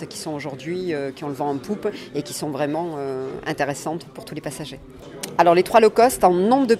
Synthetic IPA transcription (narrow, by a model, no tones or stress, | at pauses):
kʲi̥sɔ̃oʒuʁd̪ɥiøkʲiɔ̃ləvɑ̃ɑ̃pupekʲi̥sɔ̃vʁɛmɑ̃øɛ̰̃t̪eʁesɑ̃t̪puʁt̪ulepasaʒe | alɔʁlet̪χwalɔkɔst̪ɑ̃nɔ̃bʁəd̪ə